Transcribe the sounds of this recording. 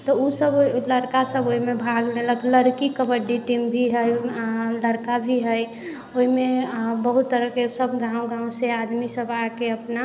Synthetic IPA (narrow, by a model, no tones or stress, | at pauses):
t̪ɔusəbləɾkasəboɦimebʱaɡleləkləɾkikəbəɖiʈimbʱiɦəjləɾkabʱiɦəj | oɦimebəɦut̪ːəɾəkesəbʱɡãũɡãũsead̪misəbakeəpna